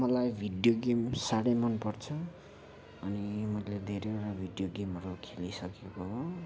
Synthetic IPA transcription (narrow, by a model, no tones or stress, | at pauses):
mʌlajbʱiɖjoɡemsaɽʌjmʌnpʌrt͡sʰʌː | nimʌjled̪ʱeɾeeɽabʱiɖjoɡemɦʌɾukʰelisʌkekoɦo